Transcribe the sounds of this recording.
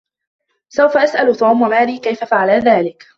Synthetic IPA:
sawfaʔasʔalt̪ˤuːmwamaːliːkajfafaʕalaðaːlɪk

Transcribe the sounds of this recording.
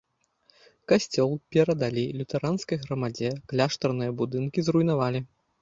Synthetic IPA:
kasʲt͡sʲɔlˠpʲɛɾɐd̪alʲilʲut̪ɛɾanskɐjɣɾɐmad͡zʲɛklʲaʂt̪ɐrnɨjɐbud̪ɨnkʲizrujn̪avalʲi

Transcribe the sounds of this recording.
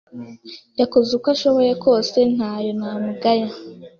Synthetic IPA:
jakozukwaʃoβojekʰo̞ːse̞n̥haːjo̞namuɡaja

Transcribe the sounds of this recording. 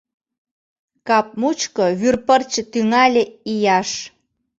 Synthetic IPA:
kɑp̚mut͡ɕkoβyrpərt͡ɕət̪yŋɑlʲeijɑʃ

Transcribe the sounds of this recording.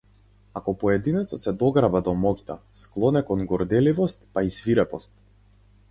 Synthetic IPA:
akɔpɔɛd̪inɛt̪sɔt̪sɛd̪ɔɡɾabad̪ɔmɔkʲt̪a̰sklˠɔnɛkɔnɡɔɾd̪ɛlivɔst̪̚paisviɾɛpɔst̪̚

